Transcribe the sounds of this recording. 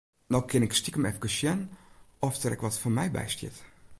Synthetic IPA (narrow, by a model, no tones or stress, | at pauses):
nɔwkʰɪnɪkstikəmɛfkəsjənɔftərɛ̰kʋɔtfɔmɛjbɛ̰jstjɪ̰t